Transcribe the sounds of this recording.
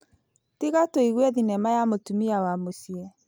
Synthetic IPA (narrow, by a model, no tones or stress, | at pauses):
tiɣatoiɣwɛðinɛmajamotumiawamosiɛ